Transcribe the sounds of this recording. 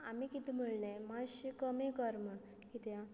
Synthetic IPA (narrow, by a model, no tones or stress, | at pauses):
amikit̪iməɭnemaɕikəmikəɾməɳ | kit̪jã